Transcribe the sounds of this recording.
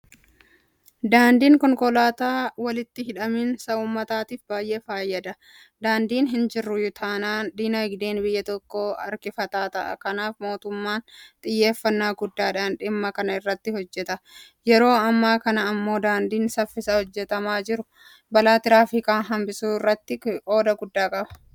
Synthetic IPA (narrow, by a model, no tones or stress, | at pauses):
d̪aːnd̪iːŋkɔŋkɔlaːt̪aːwɐlɪt̪ːɪɦɪᶑɐmiːnsɐuːmːɐt̪aːt̪iːfbaːjʔe̞ːfaːjːɐd̪ɐ | d̪aːnd̪iːnɦɪnd͡ʒɪrːʊjʊt̪ʰɐnaːd̪iːnɐɪɡd̪eːnbɪjːɐt̪ɔkːo̞ːɐ̰ɾkɪfɐt̪aːt̪ɐʔɐ̰kɐnaːfmo̞ːt̪ʊmːaːnt̪ʼɪjːe̞ːfːɐnːaːɡʊd̪ːaːᶑaːnᶑɪmːɐkɐnɐɪrːɐt̪ːɪhɔd͡ʒːɛt̪ɐ | jɛɾo̞ːɐmːaːkɐnɐːmːo̞ːd̪aːnd̪iːnsɐfːɪsɐhɔd͡ʒːɛt̪ɐmaːd͡ʒɪɾʊ | bɐlaːt̪ɪɾaːfɪkʼaːnɦɐmbɪsuːɪrːɐt̪ːɪʔo̞ːd̪ɐɡʊd̪ːaːkʼɐbɐ̥